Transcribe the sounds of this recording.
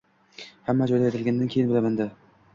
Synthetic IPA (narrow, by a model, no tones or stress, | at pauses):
hamːad͡ʒɒjd̪aet̪ɪlɡʲand̪ankʲʰejɪnbɪlamand̪ɪ